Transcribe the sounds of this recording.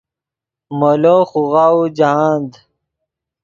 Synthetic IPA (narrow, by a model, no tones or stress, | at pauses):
moloːxuɣaːud͡ʑaaːnd̪